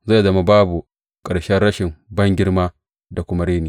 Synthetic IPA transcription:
za˦˨zɐ˦ma˦baː˦bu˨ | kʼɐ˨ɽʃɛ˦nɽɐ˦ʃɪ˨mbɐ˦ŋɡʲɪ˦ɽmaː˦ | da˨kʷʊ˦ma˦ɽeː˦niː˨

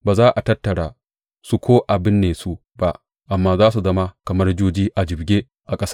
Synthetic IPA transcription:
baː˨zaː˦ʔa˨tɐ˦tːɐ˨ɽaː˨ | su˦kʷʰoː˦ʔa˨bɪ˦nːeː˨su˦ | ba˦ | ʔa˨mːaː˦zaː˦s̬u˨zɐ˦ma˦kɐ˨mɐ˦rd͡ʒoː˦d͡ʒiː˦ʔa˨d͡ʒɪ˨bɡʲeː˦ | ʔa˨kʼɐ˦sḁ˦

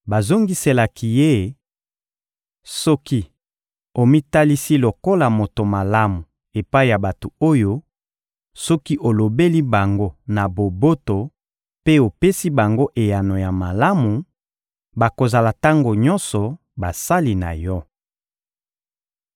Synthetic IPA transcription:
ba˨zo˦ŋɡi˦se˨la˨ki˨je˦ | sɔ˦ki˦ | o˨mi˦ta˦li˦si˦lo˨ko˦la˨mo˨to˨ma˨la˦mu˨ | e˨pa˦i˦˨ja˨ba˨to˨o˦jo˦ | sɔ˦ki˦ʔo˨lo˨be˦li˦ba˨ŋɡo˦na˨bo˨bo˦to˨ | pe˦o˨pe˦si˦ba˨ŋɡo˦ʔe˨ja˨no˨ja˨ma˨la˦mu˨ | ba˨ko˨za˨la˨ta˦ŋɡo˨ɲɔ̃˦nsɔ˨ | ba˨sa˦li˨na̰˨jɔ˦

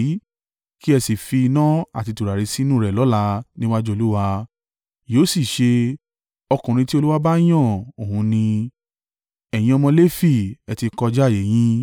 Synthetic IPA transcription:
ki˦ɛ˧si˨fi˧nã˦a̰˨ti˧tu˨ɾa˨ɾi˧si˦nũ˦˨ɾɛ˨lɔ˨˦la˧nĩ˦wa˦d͡ʒu˦o˧lu˦wa˧ | jo˨˦si˦˨ʃe˧ | ɔ˧kũ˨ɾ̃ĩ˧ti˦o˧lu˦wa˦ba˦j̃ɔ̃˦˨o˨hũ˧nĩ˧ | ɛ˨j̃ĩ˧˦ɔ˧mɔ̃˧le˦fi˦˨ɛ˨ti˧kɔ˧d͡ʒa˦˨je˨˦j̃ĩ˦

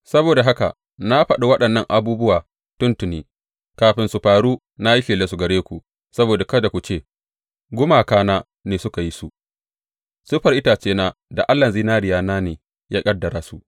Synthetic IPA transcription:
sɐ˦boː˨da˨ɦa˦ka̰˨ | na˦ɸɐ˨ɗa˦wɐ˦ɗɐ˨nːɐ˦˨ŋʔa˨buː˦bʊ˦waː˨ | tʊ˦ntʊ˨niː˦ | kaː˨ɸɪ˦nsu˨ɸaː˨ɽuː˦ | na˦ji˦ɸiː˨leː˦su˨ɡɐ˨ɽeː˦kʷu˨ | sɐ˦boː˨da˨kɐ˦da˨kʷu˨t͡ʃeː˦˨ | ɡʷʊ˦maː˨kaː˦naː˦ | neː˨sʊ˦ka˨ji˦su˨ʔ | sʊ˦ɸɐ˨ɾʔɪ˦taː˨t͡ʃeː˦naː˦da̰˨ʔa˦lːɐ˨ziː˦naː˦ɾɪ˨jaː˦naː˦neː˨ | jaː˦kʼɐ˦dːɐ˨ɾaː˦su˦ʔ

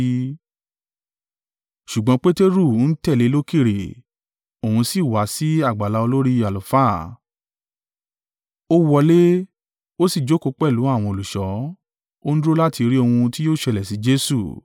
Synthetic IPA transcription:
ʃu˨ɡ͡bɔ̃˧˦k͡pe˦te˦ɾu˦˨˦n̩˦tɛ˦˨le˨˦lo˦ki˦˨ɾe˨ | o˨hũ˧si˦˨wa˨˦si˦a˦˨ɡ͡ba˨la˧˦o˧lo˦ɾi˦a˨lu˨fa˦˨ | o˦wɔ˧le˦ | o˦si˦˨d͡ʒo˦ko˧k͡pɛ˦˨lu˨˦a˦˨w̃ɔ̃˧o˨lu˨ʃɔ˨˦ | o˦n̩˦dɾo˦la˦ti˧ɾi˦o˧hũ˧ti˦jo˦˨ʃɛ˧˨lɛ˨si˨˦d͡ʒe˦sṵ˦˨

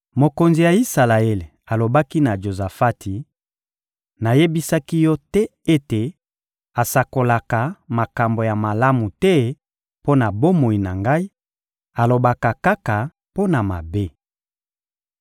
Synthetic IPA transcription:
mo˨ko˨nzi˨ja˨i˦sa˨la˨e˦le˨a˨lo˨ba˦ki˦na˨ʒo˨za˨fa˦tʰi˨ | na˨je˦bi˦sa˦ki˦jɔ˦tɛ˦e˦te˨ | a˨sa˨ko˨la˨ka˨ma˨ka˨mbo˨ja˨ma˨la˦mu˨tɛ˦ | po˦na˨bo˦mo˨i˨na˨ŋɡa˦i˦ | a˨lo˨ba˨ka˨ka˦ka˨ | po˦na˨ma̰˨be˦

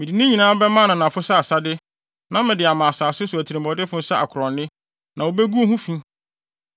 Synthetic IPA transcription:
mɪ̃˨di˨nɪ̃˦ɲĩ˨nãː˦bɛ˦mã˦nã˨nã˨fʊ˦sa˦a˨sa˦dɪ˦ | nã˦mɪ̃˨dɪ˨a˨mã˨saː˨sʊ˦sʊ˨æ˨tʰi˨ɾɪ̃˨mbɔ˨dɪ˦fʊ̃˦n̩˦sa˦ʔa̰˨kʰʊ˨ɾɔ̃˨nːɪ̃˦ | nã˨wo˨bɛ˦ɡu˦ɦũ˦fĩ˦

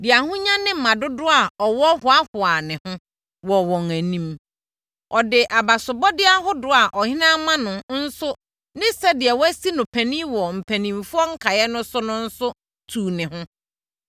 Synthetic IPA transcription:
dɪ˨a˨hʊ̃˦ɲã˦nɪ̃˦m̩˨mã˨dʊ˦dʊ˦a˨ɔ˨wɔ˦hʊ˨a˦hʊ˨a˨nɪ̃˨hʊ̃˦ | wɔ˨wɔ̃˨ŋæ˨nĩ˦m | ʔɔ˨dɪ˨ʔa˨ba˨sʊ˨bɔ˦dɪ˦a˦ɦʊ˦dʊ˦a˨ʔɔ˨hɪ̃˦nã˦mã˦nʊ̃˨n̩˦sʊ˦ | nɪ̃˦sɛ˦dɪ˨ɛ˨wɔ˦æ˦si˦nʊ̃˨pʰæ˨nĩ˦wɔ˨m̩˨pʰæ˨nĩ˨mfʊ˦ɔ˦ŋ̩˦kʰa˨jɛ˦nʊ̃˦sʊ˦nʊ̃˦n̩˦sʊ˦ | tʰuː˨nɪ̃˨hʊ̃˦

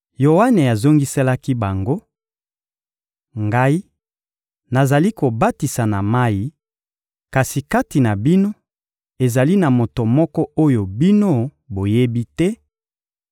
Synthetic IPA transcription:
jo˨wa˦ne˨a˨zo˦ŋɡi˦se˦la˦ki˦ba˨ŋɡo˦ | ŋɡa˦i˦ | na˨za˨li˦ko˨ba˦ti˨sa˨na˨ma˦ji˦ | ka˨si˨ka˦ti˨na˨bi˦no˦ | e˨za˨li˦na˨mo˨to˨mɔ˦kɔ˦o˦jo˨bi˦no˦ | bo˨je˦bi˦tɛ˦

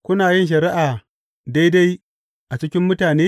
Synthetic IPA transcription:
kʷʊ˦naː˨jɪ˦nʃ̬ɐ˨ɾɪ˦ʔaː˨ | da˦jda˦j | ʔa˨t͡ʃɪ˦kʲɪ˦mːʊ˦taː˨neː˦

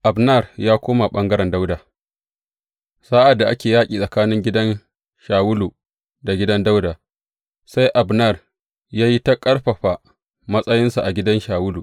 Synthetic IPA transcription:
ʔa˨bnɐ˦˨rjaː˦kʷoː˦ma˨ɓɐ˦ŋɡɐ˦ɾɛ˨nda˦wdaː˨ | saː˦ʔa˨dːa˨ʔa˦kʲeː˨jaː˦kʲʼiː˨sʼɐ˨kaː˦nɪ˦ŋɡʲɪ˦dɐ˦n | ʃaː˨wʊ˦lu˨ | da˨ɡʲɪ˦dɐ˦nda˦wdaː˨ | sa˦jʔa˨bna˦˨r | jaː˦ji˦ta˦kʼɐ˦ɽɸɐ˨ɸa˨ | mɐ˦sʼɐ˦jɪ˦nsa˨ʔa˨ɡʲɪ˦dɐ˦nʃaː˨wʊ˦lu˨

